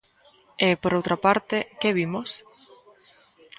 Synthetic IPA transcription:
epoɾowt̪ɾapaɾt̪ekeβimos

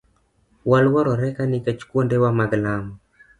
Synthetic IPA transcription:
walwɔɾɔɾɛkanɪkɛt͡ʃkwondewamaɡlamɔ

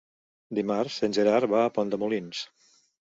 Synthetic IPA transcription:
d̪imaɾsːenʲʒeɾaɾβaəpɔnd̪əmulins

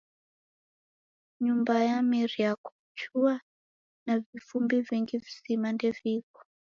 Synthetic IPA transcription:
ɲumbajamiɾiakɔ̥ | t͡ʃua | navifumbiviŋɡivisimandɛvikɔ̥

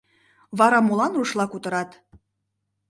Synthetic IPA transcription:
βɑɾɑmolɑnruʃlɑkut̪ə̆ɾɑt̪

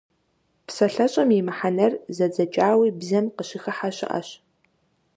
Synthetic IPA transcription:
psɐɬɐɕʼɐmjɛmħanɐrzɐd͡zɐt͡ʃʼaːwiːbzɐmqəɕɪxɐħaɕɐ̰ʔɐ̰ɕ

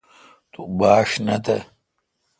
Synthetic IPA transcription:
t̪ubaːʂnɐt̪ɐ

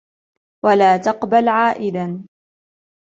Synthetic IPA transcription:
walaːt̪ɑqbalʕaːʔɪd̪an

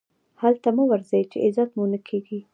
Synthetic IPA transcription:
halt̪aməwaɾzajt͡ʃeʔɪzɑt̪munəkʰeɡi

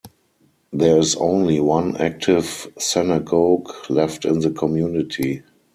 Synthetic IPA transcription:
ðɛɪzõʊ̃nliwãnæ̰k̚tʰɪvsɪnaɡoɡlɛftɪ̃nðəkʰɔmjuːnɪtʰi

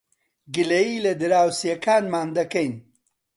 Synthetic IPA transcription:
ɡɨlɐjiːlɐd̪ɨɾaːwsijɐkaːnmaːnd̪ɐkɐjn

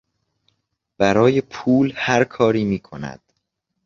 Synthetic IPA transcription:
b̥æɾɒːjepʰuːlhæɾkʰɒːɾiːmiːkʰonæ̰d̪̥

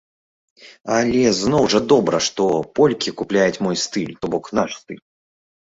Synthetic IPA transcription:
alʲɛznɔwʐɐd̪ɔbɾɐʂt̪ɔpɔlʲkʲikuplʲajut͡sʲmɔjst̪ɨlʲt̪ɔbɔknaʂst̪ɨlʲ

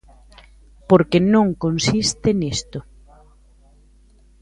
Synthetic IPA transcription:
poɾkenõŋkonsist̪ɪnist̪ʊ

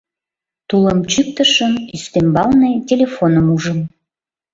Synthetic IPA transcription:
t̪uləmt͡ɕyk̚t̪əʃəmyst̪embɑlnetʲelʲefonəmuʒəm

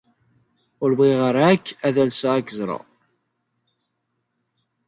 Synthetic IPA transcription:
ʊɾbʁiʁəɾˤækːæðælsaækːəzɾˤɑ̰

